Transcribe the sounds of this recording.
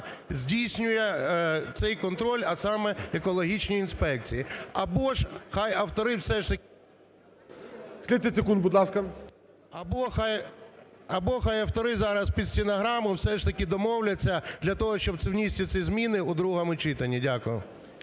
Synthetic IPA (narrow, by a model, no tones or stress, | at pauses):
zʲdʲijsʲnʲʊjɛt̪sɛjkɔnt̪ɾɔlʲɐsɑmɛekɔlˠɔɦʲit͡ʃnʲijinspɛk̚t͡sʲijiɐbɔʒxɑjɐwt̪ɔɾɪwsɛʃt̪ɐk | sklʲit̪et͡sʲɪkunbʊd̪lˠɑskɐ | ɐbɔxɑj | ɐbɔxɑjɐwt̪ɔɾɪzɑɾɐspʲid̪sʲɪnɐɦɾɑmʊwsɛʂt̪ɐkʲɪd̪ɔmɔwlʲɐt͡sʲːɐd̪lʲɐt̪ɔɦɔʃt͡ʃɔb̪̚sɛwnʲisʲtʲɪsizmʲinɪʊd̪ɾuɦɐmʊt͡ʃɪt̪ɐnʲːidʲakʊjʊ̰